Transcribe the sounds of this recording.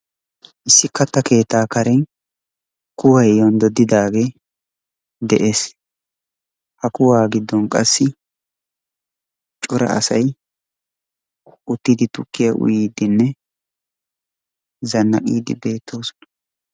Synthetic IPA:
ʔɪsːɪkɐt̪ːɐke̞ːt̪ːaːkɐɾɛn | kʊwɐjjɔnd̪ɔd̪ːɪd̪aːɡe | d̪ɛʔe̞ːs | hɐkʊwaːɡɪd̪ːɔnkʼɐsːɪ | t͡ʃʼʊɾɐ̰ɐ̰sɐj | ʔʊt̪ːɪd̪ɪt̪ʊkːɪjɐʔʊ̰jiːd̪ɪnːɛ | zɐnːɐkʼiːd̪ɪbe̞ːt̪ːo̞ːsɔ̥nɐ̥

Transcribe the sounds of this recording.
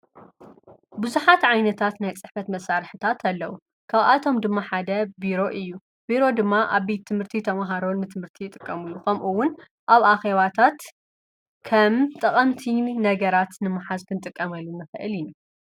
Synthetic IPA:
bɨzuħat̪ʕajnɐt̪ʰat̪najt͡sʼɨħfɐt̪mɐsaɾħɨt̪ʰat̪ʰɐlːɐwu | kʰaβat̪ʰo̞md̪ɨmːaħad̪ɐbiɾo̞ʔɨjːu | biɾo̞d̪ɨmːaʔaβbet̪ʰːɨmhɨɾt̪ʰit̪ʰɐmaɦaɾo̞nɨt̪ʰɨmɨɾt̪ʰijɪt̪ʼɨkʼːɐmɨlːukʰɐmʔuwːʊn | ʔaβaxeβat̪ʰat̪ | kʰɐmt̪ʼɐqʼɐmt̪ʰinɐɡɐɾat̪nɨmːaħazkʰɨnɨt̪ʼɨkʼːɐmɐlːunːɨxɨʔɨ̰lɪnu

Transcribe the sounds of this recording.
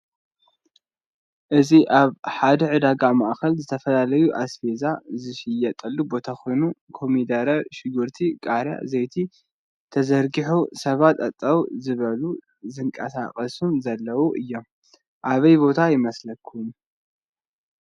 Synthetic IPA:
ʔɨziʔaβħad̪ɐʕɨd̪aɡamaʔxɐlzɨt̪ʰɐfɐlalɐjuʔasfe̞zazɨʃɪjɐt̪ʼɐlːubo̞t̪ʰaxo̞jnukʰo̞mid̪ɐɾɐʃɪɡɨɾt̪ʰikʼaɾja̰zejt̪ʰi | t̪ʰɐzɐɾɡiħusɐβat̪ɐt̪ʼːɐwzɨβɐlu | zɨŋkʼɐ̰sakʼɐsumzɐlːɐwuʔɨjːo̞m | ʔaβɐjbo̞t̪ʰajɪmɐslɐkʰːum

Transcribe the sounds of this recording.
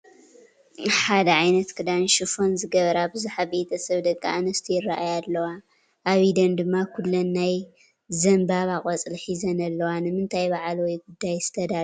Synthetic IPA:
ħad̪ɐʕajnɐt̪kʰɨd̪anʃɨfo̞nzɨɡɐβɐɾabɨzuħabet̪ʰɐsɐβd̪ɐkʼːaʔnɐst̪ʰijɪrːaʔajalːɐwa | ʔaβid̪ɐnd̪ɨmːakʰulːonːaj | zɐmbaβakʼɐt͡sʼlħizɐnɐlːɐwanɨmɨnt̪ʰajbaʕlwɔjɡud̪ːajz̥ɨt̪ʰɐd̪a

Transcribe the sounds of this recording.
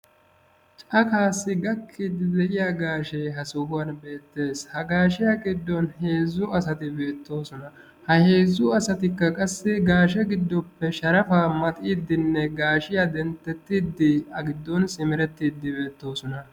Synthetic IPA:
t͡ʃʼɐkaːsːɪɡɐkʰːɪd̪ɪd̪ɛʔɪjaɡaːʃɛjɦɐsɔɡʊwɐnbe̞ːt̪ːe̞ːshɐɡaːʃɪjakʼɪd̪ːɔnhe̞ːzːʊɐsɐt̪ɪbe̞ːt̪ːo̞ːsɔnɐ | hɐhe̞ːzːʊɐsɐt̪ɪkːɐkʼɐsːɪɡaːʃɛɡɪd̪ːɔpːɛʃɐɾɐfaːmɐt̪ʼiːd̪ːɪnːɛɡaːʃɪjad̪ɛnt̪ːɛt̪ːiːd̪ːɪɐɡɪd̪ːɔnsɪmɪɾɛt̪ːiːd̪ːɪbe̞ːt̪ːo̞ːsɔnɐ

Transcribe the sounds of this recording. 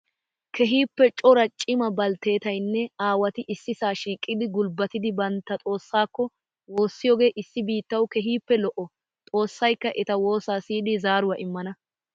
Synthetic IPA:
kʰɛɦiːpːɛt͡ʃʼɔɾɐt͡ʃʼɪmɐbɐlt̪e̞ːt̪ɐjnːɛaːwɐt̪ɪʔɪsːɪsaːʃiːkʼːɪd̪ɪɡʊlbɐt̪ɪd̪ɪbɐnt̪ːɐt̪ʼo̞ːsːaːkːɔ | wo̞ːsːɪjoːɡe̞ːʔɪsːɪbiːt̪ːɐwkɛɦiːpːɛlɔʔɔ | t̪ʼo̞ːsːɐjkːɐʔɛt̪ɐwo̞ːsaːsiːd̪ɪzaːɾʊwɐʔɪmːɐnɐ

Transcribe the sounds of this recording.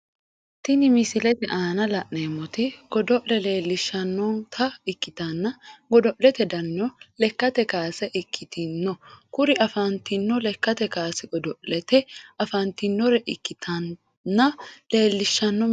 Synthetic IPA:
t̪ɪnɪmɪsɪlɛt̪ɪʔaːnɐlɐʔneːmːɔt̪ɪɡ̥ɔd̪ɔʔlɛle̞ːlːɪʃːɐnːɔntʰɐɪkːɪt̪ɐnːɐɡɔd̪ɔʔɛt̪ɛd̪ɐnːɔlɛkːɐt̪ɛkaːsɛʔɪkʰːɪt̪ɪnːɔkʊɾɪɐfɐnt̪ɪnːɔlɛkːɐt̪ɛkaːsɛɡɔd̪ɔʔɛt̪ɛɐfɐnt̪ɪnːɔɾɛʔɪkːɪt̪ʰɐnː | ɐleːlːɪʃːɐnːɔ

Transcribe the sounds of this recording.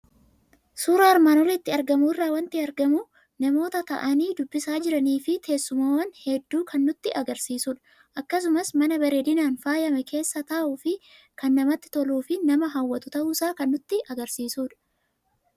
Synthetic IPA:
suːɾɐɐɾmaːnɔɾɐɪt̪ːɪɐɾɡɐmuːɪrːaːwɐnt̪ɪɐɾɡɐmu | nɐmo̞ːt̪ɐt̪ɐ̰ʔɐniːd̪ʊbːɪsaːd͡ʒɪɾɐniːfɪt̪ʰe̞ːsːʊmaːwɐnhɛd̪ːuːkɐnːʊt̪ːɪʔɐɡɐɾsiːsuːᶑɐ̥ | ʔɐkːɐs̬ʊmɐsmɐnɐbɐɾeːd̪ɪnaːnfaːjɐmɐke̞ːsːɐt̪ɐʔuːfɪ | kɐnːɐmɐt̪ːɪ̥t̪ɔluːfɪnɐmɐɦɐwːɐt̪ʊt̪ɐʔusaːkɐnːʊt̪ːɪʔɐɡɐɾsiːsuːᶑɐ̥

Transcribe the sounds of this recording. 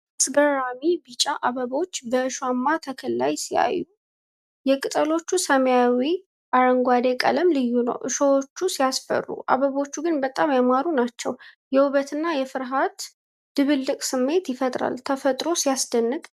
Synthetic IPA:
sɡəɾamibit͡ʃʼaʔaβəβot͡ʃːbəɨʃwamːat̪ʰəkʰəlːa̰jsia̰jːu | jɛkʼɨt̪ʼəlo̞t͡ʃːusəməjawi | ʔaɾəŋɡwad̪e̞kʼə̰ləmlɨjːunə̰wʔɨʃəwot͡ʃːusijasfə̰rːṵʔa̰βəβo̞t͡ʃːuɡɨnbət̪ʼamjamaɾunat͡ʃːɛ̰w | jɛhuβət̪ʰɨnːajɛfɨɾɦat̪ | d̪̥ɨβɨlːɨkʼsɨmːe̞t̪jɪfət̪ʼɾa̰lt̪ʰəfət̪ʼɾo̞sijasd̪ənːɨk̪ʼ

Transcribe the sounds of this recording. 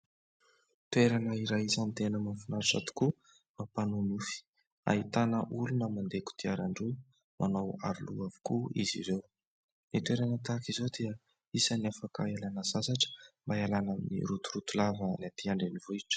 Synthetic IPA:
t̪ueɾanəiɾajisanit̪enəmanfunaɾiʈ͡ʂa̰t̪u̥ku | mapanunufi̥ | a̰it̪anəʔulunəmand̪eku̥t̪iaɾaɳɖ͡ʐu | mʔanawa̰ɾuluavi̥kuḭzḭɾew | nit̪weɾanət̪akizowd̪eə | isaniafakəalanəzasaʈ͡ʂə̥mbaalanənḭɾut̪uɾut̪ulavənat̪iaɳɖ͡ʐenivuiʈ͡ʂə̥

